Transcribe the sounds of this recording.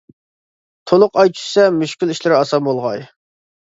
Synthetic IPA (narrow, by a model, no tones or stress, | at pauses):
t̪ʰolˠʊqɑjt͡ʃʰy̥sɛmyʃkʲiliʃlɪɾɪɑsɑmbolˠʁɑj